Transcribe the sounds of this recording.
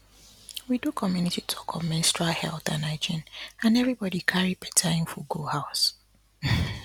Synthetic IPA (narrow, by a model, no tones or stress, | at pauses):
widukʰɔmjunititʰɔ̥kʰɔvmɛ̃nstɹalhɛlθãnaɪd͡ʒĩnãnɛvɹibɔdikʰaɹipʰɛ̥tʰaɪ̃nfɔɡuhaʊs